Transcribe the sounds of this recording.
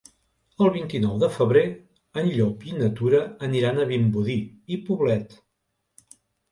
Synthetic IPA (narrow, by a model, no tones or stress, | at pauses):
əlˠβint̪inɔwðəfəβɾe | ənʎɔpinət̪uɾəːniɾanəβimbuðiipuβlɛt̪